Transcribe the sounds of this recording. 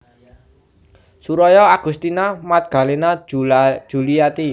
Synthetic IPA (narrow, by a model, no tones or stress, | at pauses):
suɾɔjɔaɡ̥ṳst̪inamat̪̚ɡ̥a̤lenḁ | ʒ̥ṳlijat̪i